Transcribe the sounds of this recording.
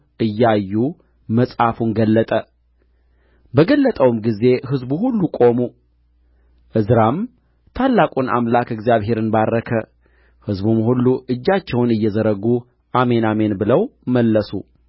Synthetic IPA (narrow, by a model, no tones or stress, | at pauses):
ʔɨjːajːu | məsʼhafunɡəlːət̪ʼə | bəɡəlːət̪ʼəwmɡize̞ɦɨzbuhulːukʼo̞mu | ʔɨzɾam | t̪ʰalːakʼuna̰mlakɨɡzijaβɦe̞ɾɨnbarːəkʰə | hɨzbumhulːuʔɨd͡ʒːat͡ʃːɛwnɨjːɛzəɾəɡu | ʔame̞name̞nbɨləwməlːəsṵ